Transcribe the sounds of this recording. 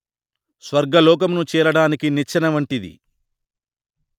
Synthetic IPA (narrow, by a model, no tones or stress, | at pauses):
sʋɐɾɡɐlɔːk̬ɐmnut͡ʃɛːɾɐɽaːnikinit͡ʃːɐnɐʋɐɳʈid̪ḭ